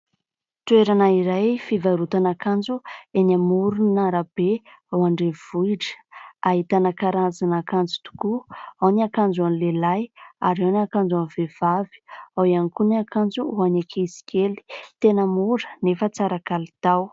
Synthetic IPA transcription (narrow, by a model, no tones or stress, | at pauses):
t̪ueɾanaiɾajfivaɾut̪anakand͡zuenamuɾunaɾab̥e | awaɳɖ͡ʐev̥ujʈ͡ʂə̥aɦit̪anakaɾazanakand͡zu̥t̪u̥kuawniakand͡zanilelajaɾewnakand͡zanvev̥avi̥awianikuniakand͡zuuanakʰeizi̥kʲʰeli̥t̪enəmuɾə̥nefət͡saɾakalit̪aw